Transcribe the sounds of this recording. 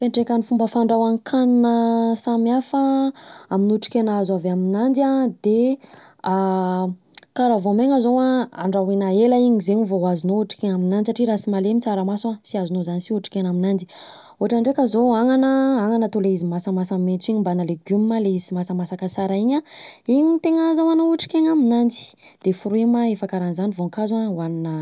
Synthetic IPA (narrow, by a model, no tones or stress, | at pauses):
feɳʈ͡ʂekʲanifumbəfaɳɖ͡ʐawankʰannəsamjafaaminuʈ͡ʂi̥kʲenazaveaminand͡ʒiad̪e | a | kaɾavoameŋəzowaa̰ɳɖ͡ʐawinaelaiɲizeɲivoɦazinouʈ͡ʂi̥kenaminanisaʈ͡ʂiɾasimalemit͡saɾamasuasiazunozanisiuʈ͡ʂi̥kʲenaminand͡zi | uaʈ͡ʂanɖ͡ʐekəzoaŋanəaŋanət̪oleizimasamasammet͡siɲimbanaleɡumːaleizimasəmasakasaɾaiɲaiɲit̪eŋazawanouʈ͡ʂi̥kʲeɲaminand͡zi̥ | d̪̥efuɾuemaefakaɾanzanivoŋkazawaninə